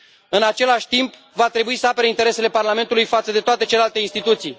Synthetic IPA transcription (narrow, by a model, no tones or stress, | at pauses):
ɨnat͡ʃe̞laʃʲt̪imp | vat̪ɾe̞buisəapeɾeint̪e̞ɾe̞se̞le̞parlame̞nt̪ulujfat̪səd̪e̞t̪oat̪et͡ʃelelalt̪einst̪it̪ut̪sij